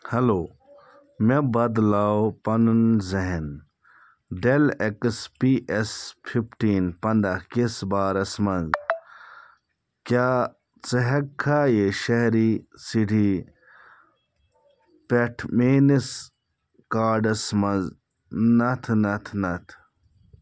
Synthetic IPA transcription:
hɐloː | mebɐd̪laːopɐnunzɐɦen | ɖelekspiʔespʰipʈiːnpɐnd̪akesbaːɾɐsmɐz | kaː | t͡sɐɦɐkʰːaːjeʃɐɦɾisiɖʰʱi | peʈʰmeːnis | kaːɖɐsmɐz | nɐt̪ʰnɐt̪ʰnɐt̪ʰ

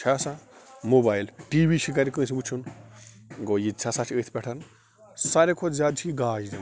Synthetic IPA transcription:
t͡ʃʰasãmobaːilʈibiʃik̬aɾʲikə̃ːsʰibut͡ʃʰun | ɡojid̪̚t͡ʃʰasat͡ʃʰiət̪ʰpʲɛʈʰɐn | saɾekʰozʲaːd̪̚t͡ʃʰikiɡaːd͡ʒd̪im

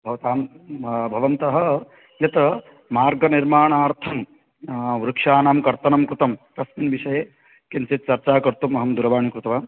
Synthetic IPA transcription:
bʱɐʋɐt̪aːmbʱɐʋɐnt̪ɐɦɐ̆ | jɐt̪ɐ | maːɾɡɐniɾmaːɳaːɾt̪ʰɐm | ʋɾukʂaːnaːmkɐɾt̪ɐnɐmkɾut̪ɐmt̪ɐsminʋiʃɐjeː | kenset̪̚t͡ʃɐɾt͡ʃaːkɐɾt̪umːɐɦɐmd̪uɾɐʋaːɳikɾut̪ɐʋaː

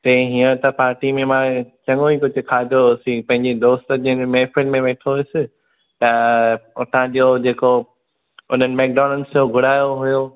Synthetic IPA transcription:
t̪ɐ̃ĩɦiːə̃t̪ɐpaːɾʈimẽmãt͡ɕɐŋoikʊd͡ʑʱʊ̆kʰaːd̪ʱosipɐ̃ɦɪ̃ɲd͡ʑed̪oːst̪d͡ʑĩmeːfɪlmẽʋeːʈʰoɪsɪ | t̪ɐʊt̪ʰãd͡ʑod͡ʑeːko | ʊn̤ənɪ̆mɛːk̚ɖɔːnənɪ̆soɡʱʊɽaːjoɦʊjoː

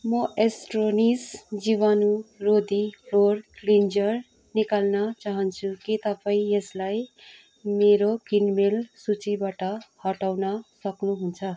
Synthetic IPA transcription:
mʌʔesʈronisd͡ziβanurod̪irorklind͡zʌr | nikalnʌt͡saɦʌnt͡sʰukit̪ʌpaĩeslaj | meɾokinmelsut͡sibaʈʌhʌʈawnʌsʌknuɦunt͡sʰʌ

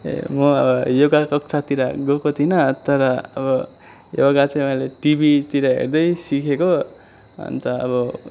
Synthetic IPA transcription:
ḛmʌʌ̰bʌjoɡakʌk̚t͡sʰat̪iɾaɡokot̪ʰinʌt̪ʌɾʌʌbʌ | joɡat͡sʌj̃ʌɦileʈibit̪iɾʌɦḛrd̪ʌjsikʰeko | ʌ̰nt̪ʌʌ̰bʌ

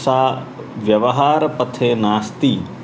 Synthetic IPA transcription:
saː | ʋjɐʋɐɦaːɾɐpɐt̪ʰeːnaːst̪i

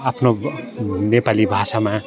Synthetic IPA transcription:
apʰno | nepalibʱasamã

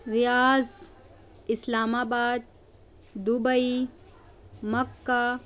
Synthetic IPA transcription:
ɾijaːz | ɪslaːmaːbaːd̪̚ | d̪ubɐi | mɐkːa

